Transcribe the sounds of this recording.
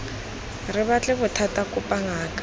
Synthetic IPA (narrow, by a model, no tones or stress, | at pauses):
rɪβat͡ɬʼɛbʊtʰatʼakʼʊpʼaŋaːkʼḁ